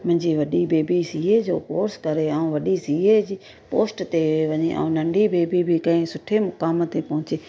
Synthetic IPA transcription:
mɪ̃ɪ̃ɲd͡ʒiːʋəɗiːbeːbiːsiːeːd͡ʒo̰ːpoːɾskəɾeːaːũːʋəɗiːsiːeːd͡ʒiː | poːsʈt̪eːeʋəɲḛːʔã̰ːnəɳɖiːbeːbiːbʱiːkə̃ẽːsʊʈʰeːmʊkaːmət̪ːeːpəɦʊ̃t͡ʃeː

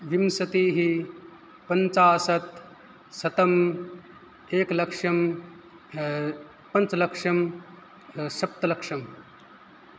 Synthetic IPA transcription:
ʋimsɐt̪iːɦi | pɐnt͡saːsɐt̪ | sɐt̪ɐm | eːklɐkʂɐm | pɐnt͡slɐkʂɐm | ʃɐp̚t̪ɐlɐkʂɐm

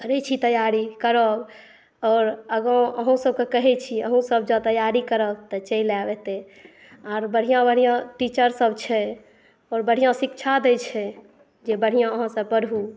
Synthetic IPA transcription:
kəɾɛt͡ʃʰit̪əjaɾikəɾəb | ɔːɾəɡə̃əɦũsəb̚kekəɦɛt͡ʃʰiəɦũsəbd͡ʒət̪əjaɾikəɾət̪ət͡ʃəilabɛt̪e | aɾbəɽ̤ijãbəɽ̤ijãʈit͡ʃəɾsəbt͡ʃʰɛ | ɔːɾbəɽ̤ijãsikt͡ʃʰad̪et͡ʃʰɛ | d͡ʒebəɽ̤ijãəɦãsə̃pəɾbu

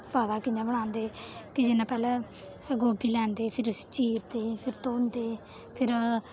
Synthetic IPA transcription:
paːd̪aːkɪɲd͡ʒãːbəɽ̃ãːnd̪eːkɪd͡ʒɪnãːpɛːlɛː | ɡoːbʱiːlɛ̃ːnd̪eːpʰɪɾst͡ʃiːɾt̪eːpʰɪɾt̪oːnd̪eː | pʰɪɾ

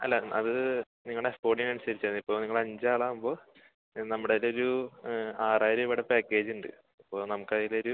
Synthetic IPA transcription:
ɐ̰lːaɐðɨ | niŋːɐɭespo̞ːʈiŋɐnusɐɾit͡ɕːɐnipːo̞ːniŋːɐɭɐɲd͡ʑaːɭaːmbo̞ː | nɐmːuɽeilo̞ɾu | aːraːɾɐiʋɨɽepaːkːe̞ːd͡ʑuɳɖɨ̰ | ipːo̞ːnɐmukːaːðiloɾu

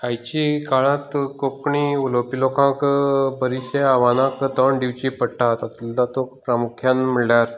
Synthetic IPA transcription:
ajt͡ɕikaɭãt̪kokɳiulopilokãkbəɾiɕeaʋanãkt̪ɔɳɖiʋt͡ɕipəɽʈat̪at̪ulat̪okpɾamukʰjanməɭljaɾ

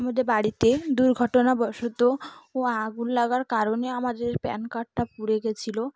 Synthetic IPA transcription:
amad̪eɾbaɽit̪ed̪uɾɡʱɔʈonabɔʃot̪ooaɡulːaɡaɾkaɾoneamad̪eɾpɛ̰nkaʈʰːapuɽeɡet͡ɕʰilo

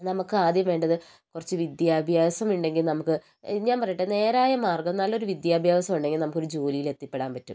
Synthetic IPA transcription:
nɐmukːɨaːd̪jɐmʋe̞ːɳɖɐðɨ | kurɐt͡ɕːɨʋid̪jaːbʱjaːʋɐsɐmuɳɖe̞ŋɡilnɐmukːɨ | ɲaːnpɐrɐjuʈːɨne̞ːɾaːjɐmaːrɡɐmnɐlːɐo̞ɾuʋid̪jaːbʱjaːʋɐsɐmuɳɖe̞ŋɡilnɐmukːo̞ɾud͡ʑo̞ːlijile̞t̪ːipːe̞ɽaːnpɐtːṵm

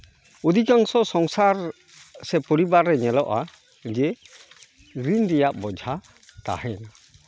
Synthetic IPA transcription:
ud̪ikaŋsɔsɔŋsaɾ | sɛpɔɾibaɾːɛɲɛlɔʔa | d͡ʒɛ | ɾinɾɛjaʔbɔd͡ʒʱa | t̪a̰hɛna

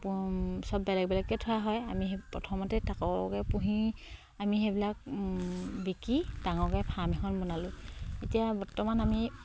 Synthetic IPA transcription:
psɔbːɛlɛk̚bɛlɛkːɛtʰʊjaɦɔjamipɹɔ̰tʰɔmɔtɛtakɔ̰kɛpuɦi | amixebilak̚ | bikid̥aŋɔkɛjpʰamɛxʰɔnbɔnalʊ̃etijabɔɹtɔmanami

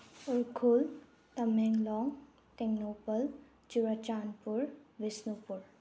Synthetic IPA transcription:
ʊɾkʰul | t̪ɐmeŋɡlɔːŋ | ʈeɡnoːpəl | t͡ʃʊɾat͡ʃaːnpʊɾʋɪsnupʊɾ

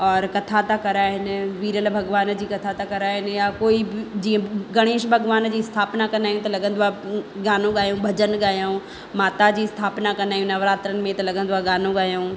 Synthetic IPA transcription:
ɔːɾkɐt̪ʰat̪akɐɾaːɦɪnɪ̆ʋiːɾəlbʱɐɡʋaːnd͡ʑiːkɐt̪ʰat̪akɐɾaːɦɪnɪ̆jakoːibɪd͡ʑiːə̃ɡɐɽ̃eːʃbʱɐɡʋaːnd͡ʑiːst̪ʰaːpnakɐnaːjũt̪ɐlɐɡə̃nd̪ʊaɡaːnõɠaːjõbʱɐd͡ʑənɠaːjaũ | maːt̪ad͡ʑiːst̪ʰaːpnakɐnd̪aːjũnɐʋɾaːt̪ɾənɪ̆mẽt̪ɐlɐɡə̃nd̪ʊaɠaːnõɠaːjõː

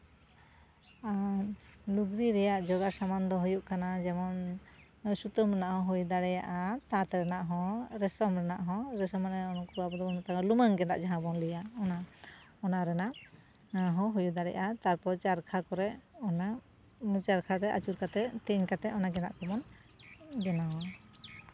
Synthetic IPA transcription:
a | luɡɾiɾɛjaʔd͡ʒɔɡaɾsamand̪ɔɦujuʔkanad͡ʒɛmɔn | sut̪ɔmɾɛnaʔhɔ̃ɦujd̪aɽɛja̰ʔat̪at̪ɛɾɛnaʔɦɔ̃ɾɛsɔmɾɛnaʔɦɔ̃ɾɛsɔmanɛɔnɔkɔabɔd̪ɔɔnat̪akɔluməŋɡɛna̰ʔd͡ʒaɦãbɔnlijaɔna | ɔnaɾɛna | ɦɔ̃ɦujud̪aɽɛ̰jʔat̪aɾpɔt͡ʃaɾkʰakɔɾɛʔɔna | mut͡ʃaɾkʰaɾɛʔa̰t͡ʃuɾkat̪ɛt̪ɛɲkat̪ɛʔɔnaɡɛna̰ʔkɔmɔn | ɡɛnaɔ

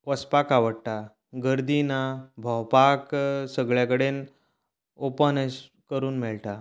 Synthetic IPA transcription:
ʋəspakaʋəɽʈa | ɡəɾd̪inabʱəwpaksəɡɭjakəɽen | opənəs | kəɾuːnmɛɭʈa

